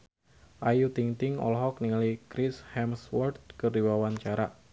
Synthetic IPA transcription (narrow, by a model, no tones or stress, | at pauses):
ʔajut̪iŋt̪ɪŋɔ̰lɦɔk̚niŋalikɾishɛmswɔrt̪̚kəriwawaɲt͡ʃaɾa